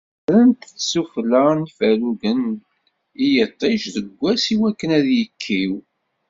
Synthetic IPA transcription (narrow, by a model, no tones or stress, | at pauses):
ɾənt̪t͡sːsuflənfæluɡən | ijət̪ˤːeʃðəɡʷːæsiwækːənæðjəkʰːiw